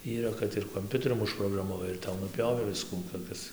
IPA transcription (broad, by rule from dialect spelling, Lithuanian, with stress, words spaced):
iːˈrɐ kɐt ɪr koːmʲˈpʲʊtʲɛrʲʊm ʊʃproːɡrɐmɐˈʋɐɪ ɪr ˈtɐʊ nʊˈpʲjoːʋʲeː ˈʋʲɪskuː toːˈkʲɪs